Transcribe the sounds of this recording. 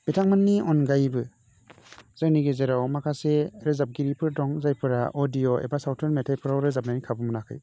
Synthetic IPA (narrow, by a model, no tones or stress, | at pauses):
b̥etʰaŋmanːiɔnɡajbɯ | z̥aŋniɡezeɾawmakʰaseɾɯzap̚ɡiɾipʰɯɾdɔŋzajpʰɯɾa̰ʔodioḛbasawtʰɔnmetʰajpʰɯɾawɾɯzap̚nanikʰabɯmɯnakʰɯ̰j